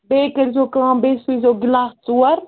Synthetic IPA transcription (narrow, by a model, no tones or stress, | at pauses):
beːkɐɾzoːkããːbeːsuizoːɡɪlaːst͡suːɐɾ